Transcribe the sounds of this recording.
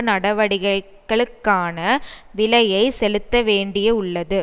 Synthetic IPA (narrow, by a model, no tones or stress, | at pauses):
nɐɽɐʋɐɽɪɣɐ | kːɐɭɯkːaːnɐʋɪlɐjɐɪsɛlɯt̪ːɐʋeːɳɖɪjɐʊɭːɐðɯ